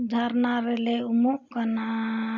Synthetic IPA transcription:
d̪ʱaɾnaɾeleumuʔkəna

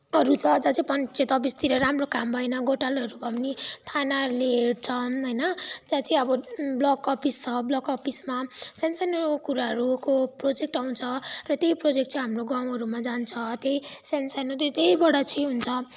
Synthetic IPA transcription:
ʌɾut͡sʰʌd͡zat͡sʌĩpʌnt͡set̪ʌbist̪iɾʌɾamrokambʱʌjnʌɡoʈalʌɾubʱʌmnit̪ʰanaleɦeɽt͡sʰʌnɦʌjnʌd͡zat͡sʌĩʌbʌblʌkʌpʰist͡sʰʌblʌkʌpʰismasensankuɾaɦʌɾukoprod͡zek̚ʈaw̃t͡sʰʌrʌt̪jejprod͡zek̚ʈ̚t͡saĩɦamroɡãw̃ɦʌɾumad͡zant͡sʰʌt̪jejsensanot̪et̪ejbʌɽʌt͡sʰiɦunt͡sʰʌ

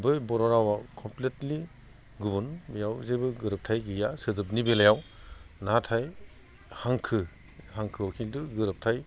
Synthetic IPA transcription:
bɯjbɔɾɔɾawakʰɔmpletli | ɡubunbijawzejbɯɡɯɾɯp̚tʰajɡɯjasɯdɯp̬̚nibelajawnatʰaj | haŋkʰɯ | haŋkʰɯɔwkʰindɯɡɯɾɯp̚tʰaj

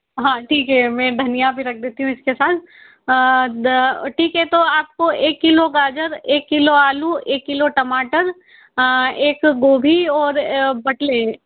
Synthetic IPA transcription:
ɦãːʈʰiːkɦɛmɛ̃ːd̪ʱɐnijabʱiɾɐk̚ʰd̪eːt̪iɦũɪskesaːt̪ʰ | ʈʰiːkɦɛt̪oaːp̚koʔeːkːɪloɡaːd͡ʒəɾeːkːɪloaːluʔeːkːɪloʈɐmaːʈəɾ | eːkɡoːbʱiɔːɾbɐʈle

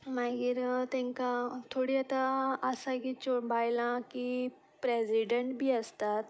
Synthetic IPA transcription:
maɡiɾt̪ɛ̃ŋkat̪ʰoɽiət̪aəsakit͡ɕobajlãki | pɾesiɖəɳʈbʱiːəst̪at̪

